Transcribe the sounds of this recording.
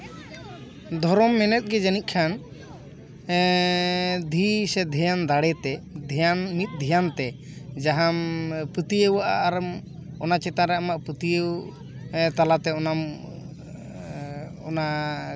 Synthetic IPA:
d̪ʱɔɾɔmːɛnɛt̪̚ˀɡɛd͡ʒanic̚ˀkʰan | d̪ʱisɛd̪ʱɛjand̪aɽɛt̪ɛd̪ʱɛjanmit̪̚ˀd̪ʱijant̪ɛ | d͡ʒaɦampət̪ijəwaʔa̰ʔːɾ | ɔnat͡ʃɛt̪aɾɛamaʔpət̪ijəw | t̪alat̪ɛɔnam | ɔna

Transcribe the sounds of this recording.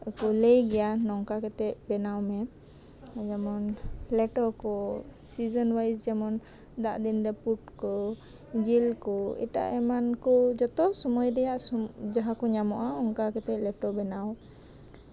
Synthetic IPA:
ukɔlejɡɛjanɔŋkakɛt̪ɛʔ̚bɛnawmɛ | d͡ʒamɔnlɛʈɔkɔsid͡ʒɔnwajsd͡ʒamɔn | d̪a̰ʔd̪inɾɛpuʈkɔ | d͡ʒilkɔḭʈa̰ʔɛmankɔd͡ʒɔt̪ɔsɔmɔjɾɛjaʔsɔd͡ʒaɦakɔɲamɔʔaɔŋkakɛt̪ɛʔ̚lɛʈɔbɛnaw

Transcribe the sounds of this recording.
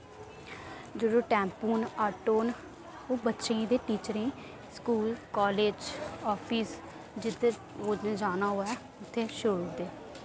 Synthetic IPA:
d͡ʒəɽoːʈɛ̃ːmpuːnaːʈoːn | oːbətːʃẽĩːd̪eːʈiːt͡ʃəɾẽː | skuːlkɔːleːd͡ʒɔːpʰiːs | d͡ʒɪt̪ʰːeː | oːd͡ʒaːnaːɦoːɛː | ʊt̪ʰːeːʃɾuːʊd̪eː

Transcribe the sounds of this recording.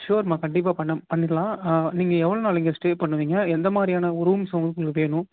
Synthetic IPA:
ʃoːɾmaːkɐɳɖɪp̬ːaːpɐɳːɐpɐɳːɪɾlãːniːŋɡɐɛʋːɐɭoːnaːlɪŋɡɐsʈeːpɐɳːɯʋiːŋɡɐɛnd̪ɐmaːd̪ɾɪjaːnɐɔɾuumsɐɡ̪ɯkɔkːɯʋeːnʊ̃

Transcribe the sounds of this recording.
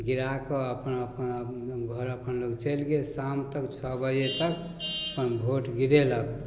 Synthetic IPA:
ɡiɾakɔəpənəpənɡʱɔɾəpənloɡt͡ʃelɡesamt̪əkt͡ʃʰɔbəjet̪ək | əpənbʱoʈɡiɾelək

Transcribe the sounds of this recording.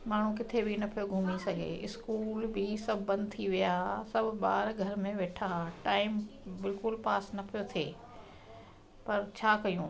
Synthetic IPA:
maːɳ̤ũkɪt̪ʰebʱinɐpʰijoɡʱuːmisɐɡʱḛɪskuːlbʱisɐbʱːɐ̃nd̪t̪ʰiʋijasɐbʱɓa̰ːɾɡʱɐɾmẽʋeːʈʰaʈaːɪmbɪlkʊlpaːsnɐpʰijot̪ʰeː | pɐɾt͡ɕʰaːkɐjũː

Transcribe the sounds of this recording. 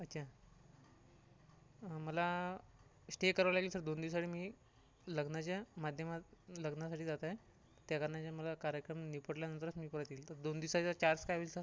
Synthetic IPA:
ətːɕʰa | məla | sʈekəɾaʋlaɡiːlsəɾd̪ond̪iws̬aʈiːmiː | ləɡnat͡ɕjamad̪ʱjəmat̪ləɡnas̬aʈiːd͡zat̪aj | t̪jakəɾɳat͡ɕjaməlakaɾjəkɾəmnipəɽljanənt̪əɾət͡smiːpəɾət̪iːlt̪əɾd̪ond̪iwsat͡ɕat͡ɕaɾskajʋiːlsəɾ

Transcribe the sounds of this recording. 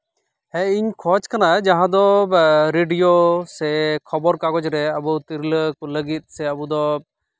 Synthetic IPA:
ɛ̃iɲkʰɔt͡ʃkanaɛd͡ʒaɦãd̪ɔɾeɖijosɛkʰɔbɔɾkakɔd͡ʒɾɛəbut̪iɾləkuləɡit̪̚ˀsɛəbud̪ɔ

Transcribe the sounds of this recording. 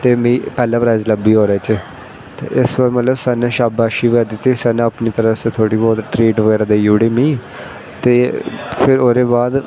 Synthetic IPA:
t̪eːmĩːpɛːlãːpɾaːɪzləbːiːɦoːɾɛːt͡ʃː | t̪ḛːʔɪsbəɾmət̪ləbsaːnẽːʃaːbaːʃiːʋɛːd̪ɪt̪ːisɛːnẽapniːt̪əɾəset̪ʰoːɽiːbɔːt̪ʈɾiːʈʋəɡɛːɾaːd̪eːjuːɽeːmĩː | t̪eːpʰɪɾoːɾeːbaːd̪

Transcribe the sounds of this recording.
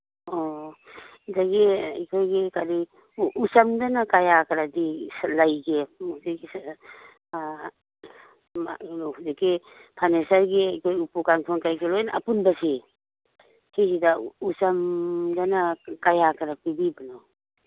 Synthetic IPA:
ɔ | zaɡeḭkʰojɡekaɾi | usamdanakajakaɾadislajɡemuseɡi | a̰lhudeke | pʰanesaɾɡeikʰojupukaŋtʰɔnkajɡelɔjna̰punbasi | kisidausamdanakajakʰaɾapibibanɔ

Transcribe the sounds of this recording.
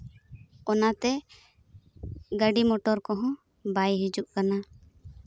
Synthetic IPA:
ɔnat̪ɛ | ɡəɖimɔʈɔɾkɔɦɔ̃ | bajɦid͡ʒuʔkana

